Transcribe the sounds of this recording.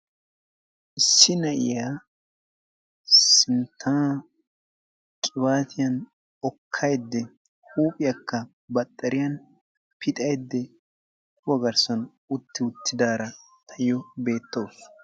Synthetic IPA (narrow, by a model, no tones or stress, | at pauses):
ʔɪsːɪnɐʔɪ̰jaː | sɪnt̪ʰːaː | kʼɪbaːt̪ɪjɐn | ɔkʰːɐjd̪ːɛ | huːpʼɪjɐkːɐ | bɐt̪ʼːɐɾɪjɐn | pʰɪt̪ʼɐjd̪ːɛ | kʊwɐɡɐɾsɐn | ʊt̪ːɪʊt̪ːɪd̪aːɾɐ | t̪ʰɐjɔbe̞ːt̪ːo̞ːs